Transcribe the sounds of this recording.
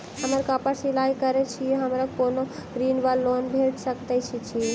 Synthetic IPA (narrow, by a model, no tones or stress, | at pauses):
həməɾkəpasilajkəɾet͡ʃʰieɦəmɾakonoɾinbəlːonbʱeʈsəkt̪at͡ʃʰit͡ʃʰi